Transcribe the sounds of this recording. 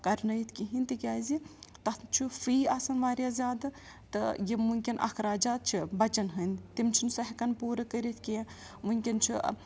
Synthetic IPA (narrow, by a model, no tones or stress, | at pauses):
kɐɾnɐjt̪ʰkʲiɦint̪ikʲaːzit̪ɐt̪t͡ʃʰufiːasɐnʋaːɾʲjazʲjaːd̪ɨ | t̪ɨ̰jimuŋʲkʲinʔɐ̰kʰɾaːd͡ʒaːt̪̚t͡ʃʰibɐt͡ʃɐnɦənt̪imt͡ʃʰinsɐɦikɐnpuːɾɐkəɾit̪ʰkʲie | muŋʲkʲint͡ʃʰi